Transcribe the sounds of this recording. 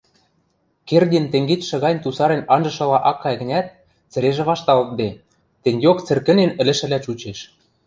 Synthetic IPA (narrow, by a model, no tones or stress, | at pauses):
kerd̪ʲent̪eŋɡet̪ʃɤ̆ɣɑnʲt̪usɑɾenɑnʒɤ̆ʃɤ̆lɑʔɑkːɑjɣɘ̆nʲæt̪̚ | t͡sɘ̆ɾeʒĕβɑʃt̪ɑlt̪̚b̪e | t̪ĕnʲjokt͡sɘ̆rkɘ̆nenɘ̆lɘ̆ʃɘ̆læt͡ɕut͡ɕeʃ